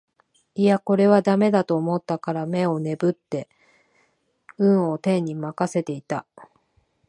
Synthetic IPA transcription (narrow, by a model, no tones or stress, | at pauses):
iako̞ɾe̞βad̪ame̞d̪at̪o̞ːmo̞t̪ːakaɾame̞o̞ne̞bɯ̟t̪ːe̞ | ɯ̟̃ɰ̃o̞t̪ẽ̞ɲ̟ːimakase̞t̪e̞it̪a